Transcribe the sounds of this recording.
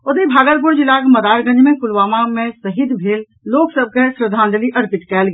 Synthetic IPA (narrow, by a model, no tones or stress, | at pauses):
ʊd̪ibʱaːɡəlp̬ʊɾd͡ʒɪlakmɐd̪aːɾɡɐnd͡ʒmẽkʊlʋaːmamẽsɐɦid̪bʱeːlː | oːksəb̚kesɾəd̪ʱãːnd̪əliʔɐɾpɪʈkɛːlɡ